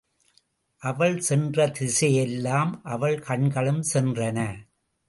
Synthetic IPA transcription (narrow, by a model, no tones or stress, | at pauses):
ʔɐʋɐɭsɛndrɐt̪ɪsɐjɛlːaːmʔɐʋɐɭkɐɳɡɐɭɯmsɛndrɐnɐ